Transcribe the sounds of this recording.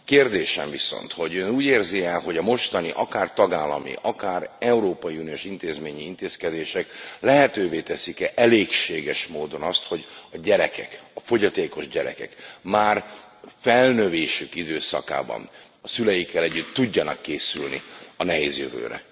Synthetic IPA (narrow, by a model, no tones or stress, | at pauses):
keːrd̪eːʃɛ̰ɱviso̰nt̪ho̞ɟønuːɟeːrziɛlɦo̞ɟɒmo̞ʃt̪ɒniʔɒkaːrt̪ɒɡaːlːɒ̰mḭʔɒkaːrɛuɾoːpɒjiunijoːʃint̪eːzmeːɲiint̪eːskɛd̪eːʃɛklɛɦɛt̪øːveːt̪ɛsikɛʔɛleːkʃeːɡɛʃmoːd̪o̞nɒst̪ho̞ɟɒɟɛɾɛkɛkɒfo̞ɟɒt̪eːko̞ʒɟɛɾɛ̰kɛ̰kmaːr | fɛlnøveːʃykid̪øːsɒ̰ka̰ːbɒ̰n | ɒsylɛjikːɛlɛɟːyt̪ːuɟːɒnɒkːeːsylnḭɒnɛɦeːzjø̰vø̰ːɾɛ̰